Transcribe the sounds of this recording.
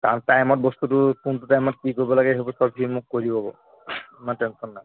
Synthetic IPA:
taɾʈajmɔʈ̚bɔst̪uʈukunʈuʈajmɔʈ̚kikoɾibɔlaɡeɦebɔsɔbʱimukːoɾibɔbɔ̰ | maneʈensɔnːa

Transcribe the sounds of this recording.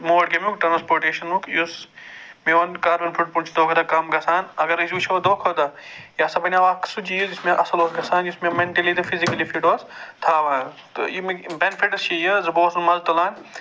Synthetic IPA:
moːɽkemʲukʈɾɐnspoːɾʈeːʃɐnukjusmeʋɐnkaːɾbɐnfʰuʈ̚puɳt͡ʃʰid̪oːkʰːd̪ɐkɐmɡɐsaːnɐɡɐɾizʲut͡ʃʰod̪oːkʰod̪ɐjasɐbɐnʲaʋaːksud͡ʒijud͡ʒismeʔɐsɐloːsɡɐsaːnd͡ʒismemeɳʈɐlid̪ɨfʰizikɐlifiʈoːst̪ʰaːʋɐ | t̪o̰jimebenfiʈɐst͡ʃʰijɐzɐboːsɐnmɐlt̪ɐlaːn

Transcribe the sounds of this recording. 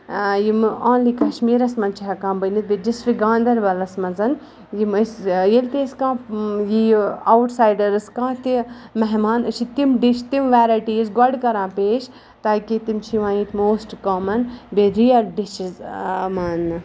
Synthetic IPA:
jimõːnlikɐʃmiːɾɐsmɐnt͡ʃʰiɦɐkãːbɐnit̪̚bed͡ʒisfiɡãːnd̪ɐɾʋɐlɐsmɐnzɐn | jiməsjelt̪eːskãːjiawʈsaːjɖɐɾɨskãːt̪imɛɦmaːnɨt͡ʃʰit̪imɖit͡ʃt̪imʋaːɾaːjʈijɐzɡɐɖkɐɾãːpeːʃ | t̪aːkit̪imt͡ʃʰiʋãːiʈmoːsʈkoːmɐnbeɾijɐlɖiʃizmaːn

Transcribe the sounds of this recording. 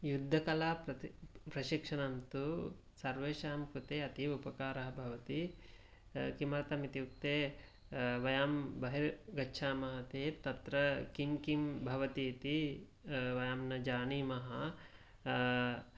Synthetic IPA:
jud̪ʱːɐkɐlaːpɐpɾɐʃikʂɐnɐnt̪u | sɐɾʋeːʃaːmkɾut̪eːɐt̪iupɐkaːɾɐɦɐbʱɐʋɐt̪i | kimɐɾt̪ɐmit̪iuk̚t̪eː | ʋɐjaːmbɐɦiɾɡɐtːʃʰaːmɐɦɐt̪eːt̪ɐt̪ɾɐkimkimbʱɐʋɐt̪iːt̪i | ʋɐjaːmnɐd͡ʒaːniːmɐɦɐ

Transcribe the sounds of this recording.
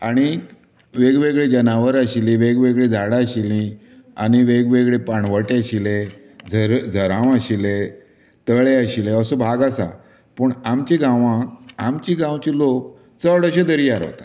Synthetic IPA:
aɽ̃i | ʋeɡʋeɡɭed͡ʑənaʋəɾəɕilĩʋeɡʋeɡɭed͡zʱaɽaɕilĩ | a̰ñiʋeɡʋeɡɭepaɳʋəʈeəɕile | d͡zʱəɾd͡zʱəɾãʋəɕile | t̪əɭeəɕileəsubʱaɡasa̰ | pəɳamt͡ɕiɡãʋãamt͡ɕiɡãwt͡ɕilok̚ | t͡səɽəɕed̪əɾijaɾɦo̰t̪ḁ

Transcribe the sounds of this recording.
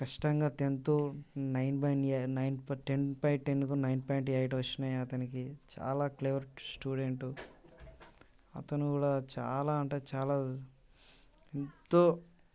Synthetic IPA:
kɐʂi̥ʈɐŋɡaːt̪ent̪unɐjnpɐjnnɐjnpʈenpɐjʈenːukonɐjnpajɳʈɐjʈʋɐt͡ʃːinɐjɐt̪ɐnikit͡ʃa̰ːlaːkleʋɐɾsʈuːɖeɳʈu | ɐ̰t̪ɐnukuːɽaːt͡ʃa̰ːlaːɐɳʈeːt͡ʃaːlaː | ent̪oː

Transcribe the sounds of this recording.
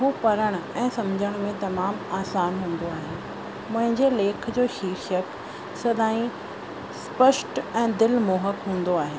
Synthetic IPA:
ɦũːpɐɾəɽ̃ɛ̃ːsɐmd͡ʑʱəɽ̃mẽt̪ɐmaːmaːsaːnɦũːn̆d̪oaːɦen̆ | mʊ̃ɦɪ̃ɲd͡ʑeleːkʰd͡ʑoːʃiːɾʃək | sɐd̪ʱaːĩ | spəʃʈɛ̃ːd̪ɪlmoːɦəkɦũːn̆d̪oaːɦeː

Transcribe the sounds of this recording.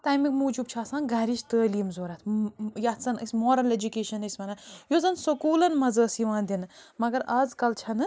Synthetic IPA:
t̪ajmikʲmud͡ʒub̚t͡ʃʰaːsɐnɡaɾiʃt̪əːlijmzoɾat̪jasɐnisʲmoɾɐled͡ʒukʲeʃɐnesʲmɐnɐjozɐnsokuːlɐnmɐzəːsiʋaːnd̪inmɐɡɐɾazkɐlt͡ʃʰɐnɨ

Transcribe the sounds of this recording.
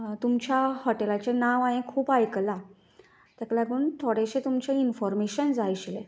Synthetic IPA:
t̪umt͡ɕjahɔʈelat͡ɕenaʋãjẽkʰuːpajkla | t̪aklaɡəunt̪ʰoɽeɕet̪umt͡ɕeinfɔɾmeɕənd͡zajɕlḛ

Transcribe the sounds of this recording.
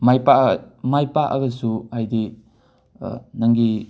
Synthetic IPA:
majpamajpaʔɐ̰ɡɐsuajdi | naŋɡi

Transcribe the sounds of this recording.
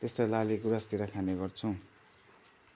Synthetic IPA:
t̪est̪alaliɡuɾast̪iɾakʰaneɡʌrt͡sʰũ

